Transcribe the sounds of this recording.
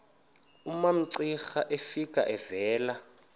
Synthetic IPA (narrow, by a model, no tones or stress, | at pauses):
umam̩ǀixaʔefikʼa̰ʔɛvɛːla